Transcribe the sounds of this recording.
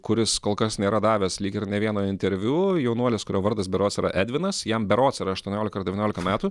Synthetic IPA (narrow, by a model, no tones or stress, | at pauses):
kʊɾʲɪskoːlˠkɐsnʲeːɾɐd̪ɑːʋʲɛslʲiːkʲɪɾnʲɛʋʲiɛnoːɪnʲt̪ʲɛɾʲʋʲuːjɛʊnuɔlʲeskʊɾʲoːʋɐɾd̪ɐsbʲɛɾoːt̪sʲiɾɐ̰ʔæːd̪ʲʋʲɪnɐsjɛmbʲɛɾoːt̪sʲiːɾɐɐʃt̪uɔnʲoːlʲɪkɐɾdʲɛʋʲinʲoːlʲɪkɐmʲæːt̪uː